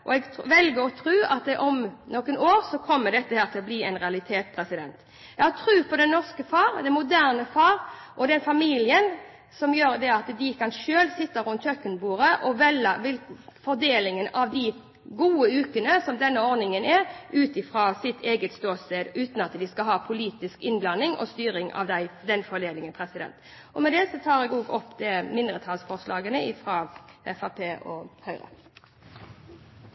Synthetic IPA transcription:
ʔɔ̰ɛɡʋɛlɡəɾɔt̪ʰɾʉːɑt̪ʔɔmnɔkːənoːɾsɔkʰɔmːəd̪ɛt̪ːəhæːɾt̪ʰɪlɔbliːɛɪnʁɛɑlɪt̪ʰeːt̪spʰɾɛsɪd̪ɛnt̪ | ɛɡhɑt̪ʰɾʉːpʰɔd̪ɛnnːɔʁskəfɑːɾd̪ɛmʊd̪æʁnəfɑːɾʔɔd̪ɛnfɑmiːlɪən | sɔmjøːɾd̪ɛɑt̪d̪ɪkʰɑnʃøːlsɪt̪ːəɾʊnt̪ʰœkːənbuːɾəʔɔʋɛləʋɪlfɔɾd̪eːlɪŋənɑʋd̪ɪ | ɡuːəʉːkənəsɔmd̪ɛnːəɔɾnɪŋənɛɾʉːt̪ɪfʁɑːsɪt̪ʰeːɡət̪st̪oːseːd̪ʉːt̪n̩ɑt̪d̪ɪskɑɦɑːpʰʊliːt̪ɪskɪnblɑnːɪŋʔɔ̰st̪yːɾɪŋɑ̰ʋd̪æɪd̪ɛnfɔleːlɪŋənpʰɾɛsɪd̪ɛ̰nt̪ | ɔmɛd̪ɛsɔt̪ʰɑːɾɛɡoːɡɔpːd̪ɛmɪnd̪ʁət̪ʰɑːlsfɔʁʂlɑːɡənəɪfɾɑːɛfɑpʰeːʔɔhœʏɾə̰

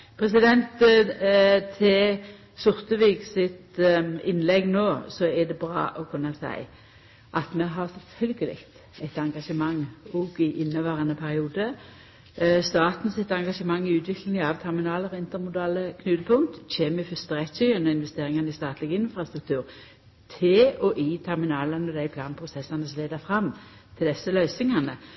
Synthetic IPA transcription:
pʰʁɛsɪd̪ɛnt̪ | t̪ʰe | sʊʁt̪əʋiːɡsɪt̪ɪnːlɛɡnoːsɔɛd̪ɛbɾɑ̰ːʔɔkʰʉnːɑsæ̰ɪ | ʔɑt̪mɛɦɑʁsɪt̪hʏlɡəlɪ̰kt̪ | ɛɪt̪ɑŋɡɑʂəmɑŋːɔɡɪʔɪnːəʋæːʁənəpʰæʁɪuːd̪ə | st̪ɑːt̪n̩sɪt̪ɑŋɡɑʂəmɑŋːɪʉːt̪ʋɪkʰlɪŋɑʋt̪ʰɛʁmɪnɑːləʁɔɪnt̪əɾmʊd̪ɑːləkʰnʉːt̪əpʰʊŋt̪c͡çeːmɪfʏst̪ʁɛt̪sœənɔɪnʋɛst̪eːʁɪŋɑnəɪst̪ɑːt̪ʰlɪɡəɪnfʁɑst̪ʁʉk̚t̪ʰʉːʁ | t̪ʰɪɔʔit̪ʰɛʁmɪnɑːlənɔd̪æɪpʰlɑːnpʰʁʊsɛsːɑnəsɔleːd̪əfʁɑmːt̪ʰɪld̪ɛsːəlœʏsɪŋɑnə

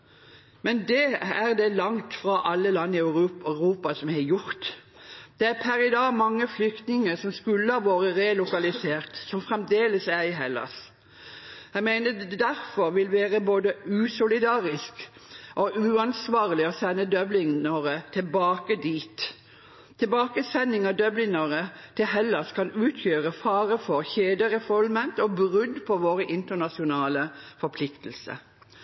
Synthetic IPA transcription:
mɛnd̪ɛæʁd̪ɛlɑŋt̪fʁɑʔɑlːəlɑnːɪœʉœʁuːpɑsɔmhæjʊɾt̪ | d̪̥ɛæpʰæɾɪd̪ɑːɡmɑŋːəflʏkt̪nɪŋəsɔmskʉlːəɑʋoːɾəʁelʊkɑlɪseːʁt̪sɔmfʁɛmd̪eːləsæɪɦɛlːɑ̰s | jæɡmæɪnəd̪æɾfɔɾʋɪlʋeːʁəboːd̪əʉːsʊlɪd̪ɑːʁɪskʔɔʔʉːɑnsʋɑːʁlɪɔsɛnːəd̪œblɪŋəʁət̪ʰɛlbɑːkəd̪iːt̪ʰː | ɪbɑːkəsɛnːɪŋɑd̪œblɪŋɑʁət̪ʰɪlɦɛlːɑskʰɑnʉːt̪ʰjøːʁəfɑːʁəfɔɾçeːd̪əʁɛfɔlmɛnt̪ɔbʁʉd̪pʰɔʋoːʁəʔɪnt̪ənɑsɪʊnɑːləfɔɾpʰlɪkt̪l̩sə̰

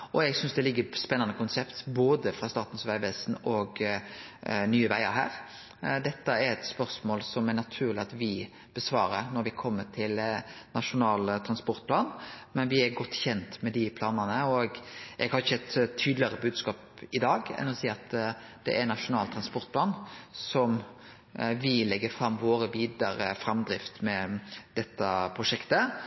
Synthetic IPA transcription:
ʔɔɛɡsʏnsd̪ɛlɪɡːəspɛnːɑnəkʊnsɛpt̪boːd̪əfɾɑst̪ɑːt̪n̩sʋæɪʋɛsnɔɡ | nyːəʋæɪəɾɦæ̰ːɾ | d̪ɛt̪ːəæɾɛt̪spœɾsmoːlsɔmæɾnɑt̪ʰʉːʁlɪɑt̪ʋɪ | b̥əsʋɑ̰ːɾəɾnɔɾʋɪkʰɔmːət̪ʰɪlnɑʂʊnɑːlt̪ʰɾɑnspɔɾt̪̚pʰlɑːnmɛnʋɪæɾɡɔt̪ːçɛnt̪mɛd̪ɪpʰlɑːnənəɔɡʔɛɡhɑɾɪçːəɛt̪t̪ʰːyːd̪lɪɑɾəbʉːd̪skɑːp | ɪd̪ɑːɡɛ̰nːɔsiːɑt̪ | d̪̥ɛ̰ʔæɾnɑʂʊnɑːlt̪ʰɾɑnspɔɾt̪̚pʰlɑːnsɔm | ʋɪlɛɡːəfɾɑmːʋoːɾəʋiːd̪əɾəfɾɑmd̪ɾɪft̪mɛd̪̥ɛt̪ːəpʰɾʁʊʂɛkt̪ə

